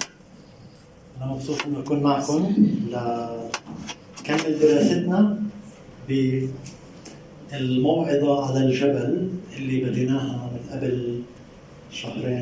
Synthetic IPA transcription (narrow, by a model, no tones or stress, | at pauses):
ʔʔanamɑxsˤuːt̪ˤʔɪnːʔakuːnmaʕkʊmlɪ | kamːɪld̪ɪɾɑːsɪt̪na | bɪ | ɪlmɑwʕɪd̪ˤaʕalald͡ʒabalʔɪlːibad̪ɪnaːɦamɪnʔabal | ʃɑhɾeːn